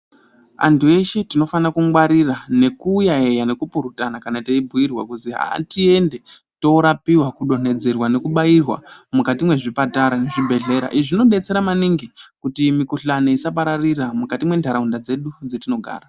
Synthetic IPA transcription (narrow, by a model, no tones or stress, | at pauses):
a̰ntue̞ʃe̞tino̞fanakuŋwaɾirane̞kuːjae̞jane̞kupuɾutanakanateibʱuirwa̰kuziɦa̰tie̞nde | to̞ɾapiwakuɗo̞ne̞d͡ze̞rwane̞kuɓairwa̰mukatimwe̞ʐipataɾane̞ʐibʱe̞ɮe̞ɾa̰ʔiʐino̞ɗe̞t͡se̞ɾamaniŋɡikutimikuɬaneisap̬aɾariramukatimwe̞ndʱaɾaundad͡ze̞ɗud͡zetino̞ɡʱa̰ːra